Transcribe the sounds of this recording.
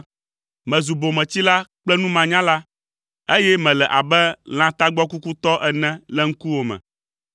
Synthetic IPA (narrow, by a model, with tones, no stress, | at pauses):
mɛ̃˨zu˨bo˨mɛ̃˨t͡ɕi˦la˦k͡plɛ˦nũ˦mã˨ɲã˦la˦ | e˦jɛ˦mɛ̃˨lɛ˨ʔa˨bɛ˦l̃ã˦t̪a˦ɡ͡bɔ˦ku˦ku˦t̪ɔ˦ʔɛ˨nɛ̃˦lɛ˦ŋ̩˦ku˦wo˨mɛ̰̃˨